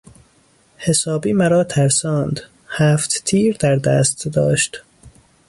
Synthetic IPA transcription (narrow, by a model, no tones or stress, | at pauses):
hesɒːbiːmæɾɒːt̪ʰæɾsɒːnd̪ | hæːft̪t̪ʰiːɾd̪æɾd̪æːst̪d̪ɒ̰ːʃt̪